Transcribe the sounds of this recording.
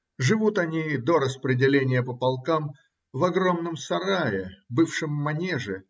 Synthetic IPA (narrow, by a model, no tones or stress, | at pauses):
ʐɨvut̪ɐnʲid̪oɾəspɾʲɪdʲɪlʲenʲɪjəpəpɐlˠkam | vɐɡɾomnəmsɐɾajɪbɨfʂɨmːɐnʲeʐɨ